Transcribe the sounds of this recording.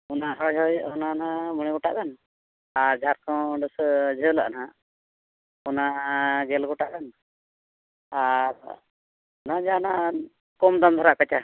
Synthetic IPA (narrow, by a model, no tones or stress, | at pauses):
ɔnaɦɔjɦɔjɔnanaməɽ̃iɡɔʈa̰ʔɡ̪an | aɾd͡ʒʱaɾkɔ̃wɖəsd͡ʒʱəla̰ʔna | ɔnaɡɛlɡɔʈaʔd̪an | aɾ | ɔnad͡ʒana | kɔmd̪amd̪ʱɔɾaʔkət͡ʃa